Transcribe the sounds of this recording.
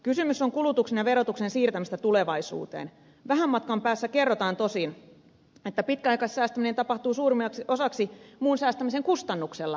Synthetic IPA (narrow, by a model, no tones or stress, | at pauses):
kysymysːoŋkulut̪uksenjɑʋe̞ɾo̞t̪uksensiːrt̪æmist̪æt̪uleʋɑisṵːt̪ḛːn | ʋæɦæmːɑt̪̚kɑmpæːsːæke̞rːot̪ɑːnt̪o̞sin | et̪ːæpit̪kæɑjkɑssæːst̪æminet̪ɑpɑht̪uːsuːrimɑksiosɑksimuːnsæːst̪æmise̞ŋkust̪ɑnːukselːɑ